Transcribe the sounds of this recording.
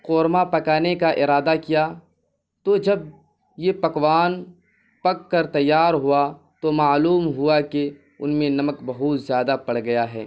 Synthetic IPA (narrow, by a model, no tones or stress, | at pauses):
qoːɾmapɐkaːnekaʔɪɾaːd̪akija | t̪od͡ʒɐb̚ | jepɐkwaːn | pɐkːɐɾt̪ɐjːaːɾɦʊa | t̪omaːluːmɦʊake | ʊnmẽnɐməkbɐɦʊt̪zjaːd̪apɐɽɡɐjaɦɛ̰ː